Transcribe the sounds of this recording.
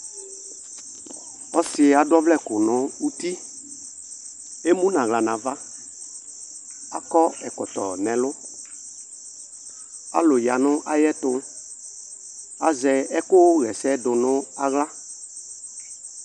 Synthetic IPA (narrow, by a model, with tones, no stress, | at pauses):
ɔ˦sɪ˨a˨dɔ˦vlɛ˦˨kʊ˨nʊ̃˦u˦t̪i˦ | e˦mũ˦nã˨ɣla˨nã˨va˦ | a̰˨kɔ˦ɛ˨kɔ˨t̪ɔ̰˨nɛ̃˨lʊ˦ | a̰˨lʊ˨ja˨nʊ̃˦ʔa˦jɛ˦t̪ʊ˦ | a˨zɛ˨ɛ˦kʊ˦ɣɛ˨sɛ˦dʊ˨nʊ̃˦a˦ɣla˦